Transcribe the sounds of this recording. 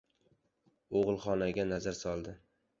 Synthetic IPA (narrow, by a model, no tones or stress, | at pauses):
oʁɨlˠχɒnaɡʲanazaɾsɒlˠd̪ɪ